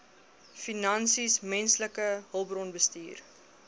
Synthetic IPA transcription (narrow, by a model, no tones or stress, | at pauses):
finɐnsismɛnsləkəɦəlˠbrɔnbəstiːr